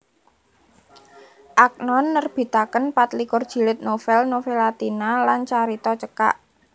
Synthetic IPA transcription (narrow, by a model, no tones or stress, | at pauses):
ʔak̚nɔnːərb̥i̤t̪akənpat̪likʊrd̥ʒ̥i̤lɪt̪̚nofɛlnofelat̪inalant͡ʃaɾit̪ɔt͡ʃəka̰ʔ